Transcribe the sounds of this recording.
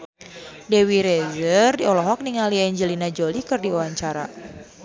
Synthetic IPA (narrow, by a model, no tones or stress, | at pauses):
dɛwiɾɛzərdiɔlɔɦɔk̚niŋaliɛɲd͡ʒəlinad͡ʒolikɨrdiɔwaɲt͡ʃaɾa̰